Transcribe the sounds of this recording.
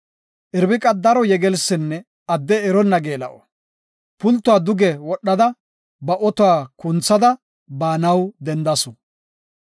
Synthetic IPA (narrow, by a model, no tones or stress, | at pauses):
ʔɪɾbɪkʼɐd̪ɐɾɔjɛɡɛlsɪnːɛ | ɐd̪ːɛːɾɔnːɐɡeːlɐ̰ʔɔ | pʊlt̪ːʊwaːd̪ʊɡɛwɔɗːɐd̪ɐ | bɐʔɔt̪ʊwaːkʊnt͡sːɐd̪ɐ | baːnɐwd̪ɛnd̪ɐsʊ